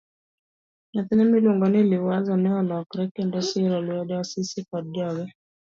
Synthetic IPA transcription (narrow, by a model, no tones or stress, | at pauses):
nat̪ɛnɛmiluŋɡɔnilɪwazɔnɛɔlɔkɾɛkɛndɔsiɾɔliɔdasisikɔdɔɡɛ